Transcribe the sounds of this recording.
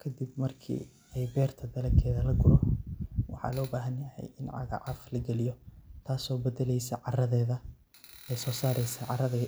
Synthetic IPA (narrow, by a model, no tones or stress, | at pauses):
kʰɐd̪ibmɐrkʰḭː | ɛjbɛːrt̪ʰɐd̪ɐlɐkʰɛːðɐlɐɡʊlɔwɑ̰ħɑ̰ːlɔːbaːɦɐnjɐhɛ̰jɪnʕɑ̰ɣɐ̰ʕɑflɐɡɛlɪijɔt̪ʰaːsɔːbɐd̪ɛlɛjsɛʕɑrɐðɛːðɐ | ɛːsɔːsaːɾɛjsɛʕɑrɐðɛ